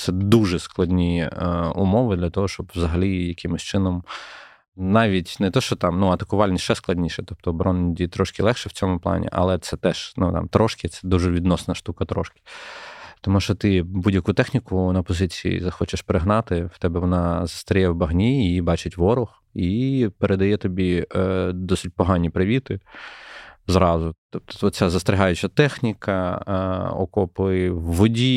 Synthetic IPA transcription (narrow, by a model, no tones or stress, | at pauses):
t̪sɛd̪uʒɛsklˠɐdʲnʲiʊmɔʋɪd̪lʲɐt̪ɔɦɔʃt͡ʃɔbwzɐɦɐlʲijɐkɪmɪsʲt͡ʃɪnɔm | nɑʋʲitʲnɛt̪ɔʃt͡ʃɔt̪ɑmnuɐt̪ɐkʊʋɑlʲnʲisʲʃɛsklˠɐdʲnʲiʃɛt̪ɔp̚t̪ɔːbɾɔnʲdʲit̪ɾɔʃkɪlˠɛxʃɛwt͡sʲɔmʊplˠɑ̰nʲḭʔɐ̰lˠɛt̪sɛt̪ɛʃnut̪ɑ̰mt̪ɾɔʃkʲɪt̪sɛd̪uʒɛʋʲid̪nɔsnɐʃt̪ukɐt̪ɾɔ̰ʃkʲɪ̥t̪ɔmuʃɔt̪ɪbudʲjɐkut̪ɛxnʲikʊnɐpɔzɪt͡sʲijḭzɐxɔt͡ʃɪʃpeɾɪɦnɑt̪ɪwt̪ɛbɛʋɔnɑzɐ̥st̪ɾʲijɛwbɐɦnʲiibɑt͡ʃɪtʲʋɔɾʊx | ipeɾed̪ɐjɛt̪ɔbʲi | d̪ɔsɪt̚ʲpɔɦɑnʲipɾɪʋʲit̪ɪ | zɾɑzʊt̪ɔpt̪ɔ̥t̪ɔt͡sʲazɐst̪ɾʲɪɦɑjʊt͡ʃɐt̪ɛxnʲikɐ | ɔ̰kɔpɪwːɔdʲi